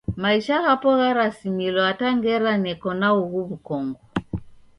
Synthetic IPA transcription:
maiʃahapɔɣaɾasimilɔataŋɡɛɾanɛkɔnauɣuβukɔŋɡɔ

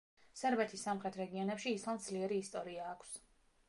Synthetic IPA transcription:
sɛɾbɛt̪ʰisːamχɾɛt̪ʰɾɛɡiɔnɛpʃiːslˠamd̪zliɛɾiːst̪ʼɔɾiaːkʰs

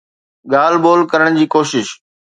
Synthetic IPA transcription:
ɠaːlboːlkɐɾəɽ̃d͡ʑiːkoːʃɪʃ

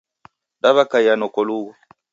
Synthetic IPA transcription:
daβakajanɔkɔluwa

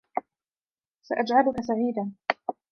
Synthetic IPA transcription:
saʔad͡ʒʕalʊkasaʕiːd̪aːn

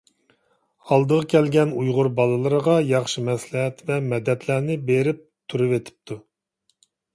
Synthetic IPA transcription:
ɑlˠd̪əʁɑkʲʰɛlɡʲɛnujʁʊɾbɑlˠɨlˠɨɾəʁɑjɑχʃɨmɛslɪɦɛt̪vɛmɛd̪ɛt̪læɾnɪbeɾɪp̚t̪ʰuɾɨvet̪ʰɪ̥p̚t̪ʰu

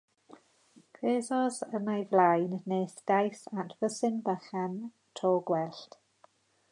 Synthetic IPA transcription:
kʰweːzɔzənajvlajnːeːsd̥ajsatʰv̥əsɪnbəχɛn | tʰɔːɡwɛlɬt

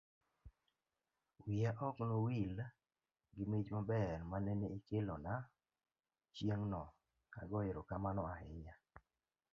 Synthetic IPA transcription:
wɪaʔɔknowil | ɡɪmit͡ʃmabɛrmanɛneikelɔna | t͡ʃjeŋnɔ | aɡɔɪɾɔkamanɔahɪja

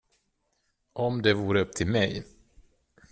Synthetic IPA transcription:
ʔɔmd̪ɛvuːɾəɵp̚ːt̪ʰɪlmɛj

